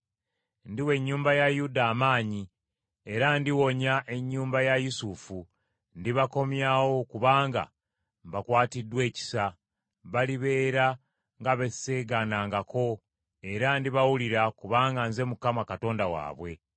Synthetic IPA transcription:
ndiwe̞ɲːuːmbajajudaːmaːɲi | e̞ɾandiwo̞ɲaʔe̞ɲːuːmbajajusufu | ndiβako̞mjawo̞kuβaːŋɡa̰ | mbakwaːtidwe̞ːci̥sa | βaliβe̞ːɾa | ŋɡaβe̞seɡanaːŋɡako̞ | e̞ɾandiβawuliɾakuβaːŋɡanze̞mukamakato̞ːndawa̰ːβwe̞

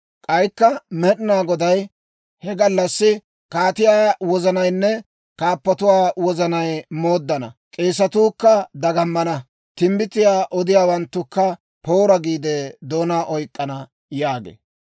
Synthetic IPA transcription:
kʼɐjkːɐmɛɗɪnaːɡɔd̪ɐj | hɛɡɐlːɐsːɪ | kaːt̪ɪjaːwɔzɐnɐjnːɛ | kaːpːɐt̪ʊwaːwɔzɐnɐjmo̞ːd̪ːɐnɐ̰kʼeːs̬ɐt̪uːkːɐd̪ɐɡɐmːɐnɐ | t̪ɪmbɪt̪ːɪjaːʔɔd̪ɪjaːwɐnt̪ːʊkːɐ | po̞ːɾɐɡiːd̪ɛd̪oːnaːʔɔjkʼːɐnɐ | jaːɡḛː

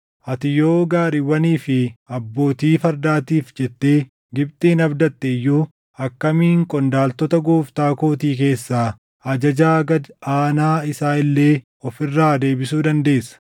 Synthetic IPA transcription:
ʔɐt̪ɪjoːɡaːɾiwɐniːfɪɐbːo̞ːt̪iːfɐɾd̪aːt̪iːfd͡ʒɛt̪ːeː | ɡɪb̚t̪ʼiːnɐbd̪ɐt̪ːɛjːuː | ɐkːɐmiːŋkʼɔnd̪aːlt̪ɔt̪ɐɡoːft̪aːkoːt̪iːk̬e̞ːsːaː | ɐd͡ʒɐd͡ʒaːɡɐd̪aːnaːɪsaːɪlːe̞ː | ɔfɪrːaːd̪e̞ːbɪsuːd̪ɐnd̪e̞ːsɐ̥

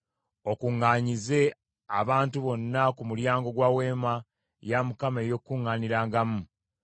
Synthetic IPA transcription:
o̞kuŋːaːɲize̞ | aβaːntuβo̞nːakumuljaːŋɡo̞ɡwawe̞ːma | jamukameːjo̞kːuŋːaːniɾaːŋɡamu

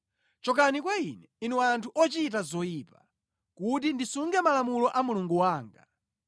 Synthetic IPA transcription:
t͡ʃɔk̬anikwainɛinɛwantʰuʔɔt͡ʃit̬azɔipa | kut̬indisuŋɡɛmalamulɔʔamuluŋɡuwaːŋɡa̰

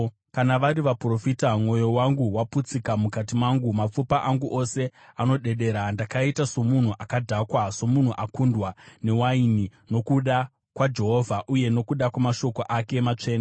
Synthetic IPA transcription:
kanaʋaɾiʋapro̞fitamŋo̞jo̞waŋɡuwaput͡sikamukat̬imaŋɡumap͡fupaʔaŋɡuʔo̞se̞ano̞ɗe̞ɗe̞ɾandakaitaso̞mun̤uʔakadʱakwaso̞mun̤uʔakundwane̞wainino̞kuɗa | kwad͡ʒe̞ɦo̞ːvʱaʔuje̞no̞kuɗakwamaʃo̞ko̞ʔake̞mat͡ʂe̞ːna

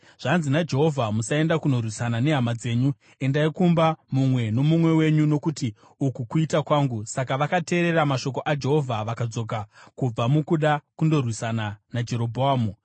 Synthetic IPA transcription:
ʐ̥anzinad͡ʒe̞ɦo̞vʱamusae̞ndakuno̞rwisanane̞ɦamad͡ze̞ːɲu | e̞ndaikumbamumwe̞no̞mumwe̞we̞ɲuno̞kuti | ukukuitakwaːŋɡusakaʋakate̞ːɾe̞ɾamaʃo̞k̬oʔad͡ʒe̞ɦo̞vʱaʋakad͡zo̞k̬akub͡vamukuɗakundo̞rwisananad͡ʒe̞ɾo̞bʱoaːmu

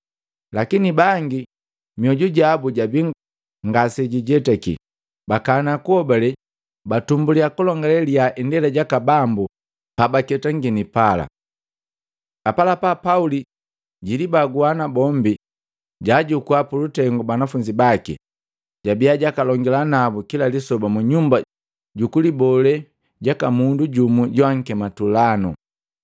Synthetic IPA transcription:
lakinibaŋɡi | miɔɟuɟabuɟabi | ŋɡasɛɟiɟɛtɛkḭ | bakanakuhɔbalɛ | batumbuliakulɔŋɡalɛliaʔindɛlaɟakabambu | pabakɛtaŋɡinipala̰ | apalapapauli | ɟilibaɡuanabɔmbi | ɟaɟukuapulutɛŋɡɔbanafuɲd͡ʒibakḭ | ɟabijaɟakalɔŋɡɛlanabukilalisɔbamuɲumba | ɟukulibɔlɛ | ɟakamunduɟumuɟwaŋ̩kɛmatulanṵ

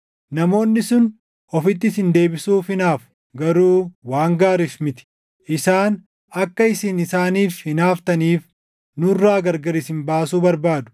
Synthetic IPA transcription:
nɐmo̞ːnːɪsʊn | ɔfɪt̪ːɪsɪnd̪e̞ːbɪsuːfɪnaːf | ɡɐɾuːwaːŋɡaːɾɪsmɪt̪ɪ̥ | ʔɪsaːn | ɐkːɐɪsɪnɪsaːniːfhɪnaːft̪ɐniːf | nʊrːaːɡɐɾɡɐɾɪsɪmbaːsuːbɐɾbaːd̪ʊ̥

